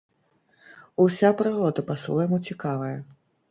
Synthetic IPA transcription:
usʲapɾɨɣɔd̪ɐpasvɔjmut͡sʲikavɐjɐ

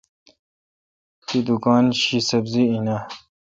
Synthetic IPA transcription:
t̪id̪ukɑːnɕisɐbziina

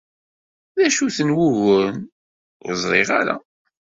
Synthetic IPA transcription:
ðæʃuθənwʊɣən | jəzˤɾˤɪʁaɾæ̰

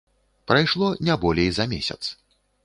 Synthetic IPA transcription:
pɾajʂlˠɔnʲabɔlʲejzɐmʲesʲɐ̰t̪s

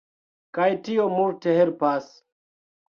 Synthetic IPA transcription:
kajtiomulteɦeɾpas

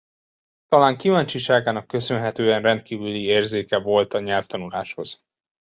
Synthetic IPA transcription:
t̪ɒlaːŋkivaːɲt͡ʃiʃaːɡaːnɒkːø̞sø̞nɦɛt̪øːɛnrɛnt̪̚kiːvylieːrzeːkɛvo̞lt̪ɒɲɛlft̪ɒnulaːʃho̞z̥

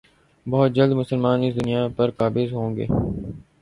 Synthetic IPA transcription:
bɐɦʊt̪̚d͡ʒɐld̪mʊsəlmaːnɪsd̪ʊnijapɐɾkaːbɪzɦõːŋɡḛː

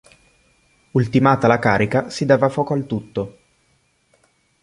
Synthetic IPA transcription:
ult̪imaːt̪alakaːɾikasid̪aːvafɔːkoalt̪ut̪ːo

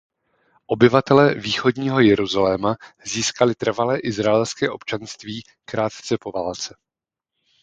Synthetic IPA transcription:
ʔo̞bɪvat̪ɛlɛːviːxo̞dɲiːɦo̞jɛɾuzalɛːmaziːskalɪt̪r̩valɛːʔɪzɾaɛlskɛːʔo̞pt͡ʃanst̪viː | kɾaːt̪t͡sɛpo̞vaːlt͡sɛ

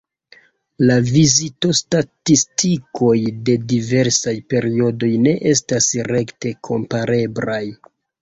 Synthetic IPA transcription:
lavizito̞statistʰikʰo̞jde̞dive̞ɾsajpe̞ɾio̞do̞jne̞ʔe̞stasɾe̞kte̞kʰo̞̰mpaɾʔe̞blaj

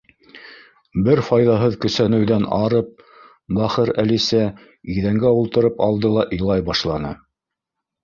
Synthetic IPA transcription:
bɘɾfɑjðɑɦɤðkɵ̆sænɘ̆wðænɑɾɤp̚ | bæχɤɾælisæ | iðæŋɡæulˠt̪ɤ̆ɾɤpɑlˠd̪ɤlˠɑʔilˠɑjbɑʃlˠɑnɤ̰

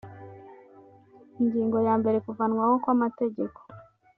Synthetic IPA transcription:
iɲɟiːŋɡo̞jaːmbe̞ɾe̞kuvanwaho̞kwamate̞ɟe̞ko̥

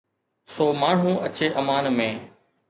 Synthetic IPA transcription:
soːmaːɳ̤ũːʔɐt͡ɕeːʔɐmaːnmẽː

